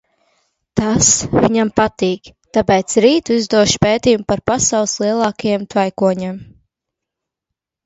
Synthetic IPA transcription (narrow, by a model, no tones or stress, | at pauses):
t̪asvʲiɲampat̪iːkt̪apɛːt̪sɾiːt̪uizd̪uɔʃpeːt̪ʲiːjumpaɾpasawlˠslˠiɛlˠɑːkajɛmt̪vajkuɔɲem